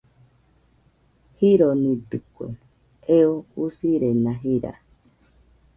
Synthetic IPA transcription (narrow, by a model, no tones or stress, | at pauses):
hiɾonĩd̪ɨkʷḛ | eousiɾenãɦiɾa̰